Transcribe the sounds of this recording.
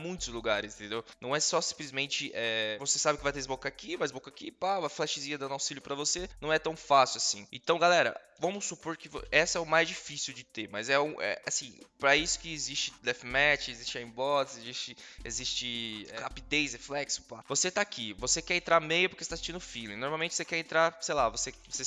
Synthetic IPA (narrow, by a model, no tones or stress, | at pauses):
mũj̃t̪ʊzluɡaɾɪzĩt̪ẽnd̪ewnɐ̃w̃ɛsɔsĩplizmẽnt͡ʃɪʔɛvosesabɪkɪvajt̪eɪzbokakivajzbokakipavaflɛʃɪziɐd̪ɐ̃d̪awsilʊpɾɐvosenɐ̃w̃ɛt̪ɐ̃w̃fasjiwasĩḛ̃nt̪ɐ̃w̃ɡalɛɾɐ̰vɐ̃mʊsupoɾkɪvo̰ɛsɐɛʊmajzd͡ʒifisiwd͡ʒɪt̪emɐzɛũʔɛ̰asĩpɾɐisʊ̥kɪezist͡ʃɪ̥lɛfmɛt͡ʃɪezist͡ʃɪaĩbɔt̪sezist͡ʃɪezist͡ʃɪɛhapid̪ejsheflɛksʊ̥pa̰voset̪aːkivosekɛɾẽnt̪ɾaɾmejʊpʊɾkeset̪asist͡ʃĩnʊfilẽnoɾmawmẽnt͡ʃɪ̥vosekɛɾẽnt̪ɾaɾsejlavosevose